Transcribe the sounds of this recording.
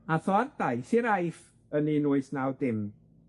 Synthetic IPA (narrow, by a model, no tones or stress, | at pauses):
aθɔardajsiɾajf | əninuɨsnawdɪm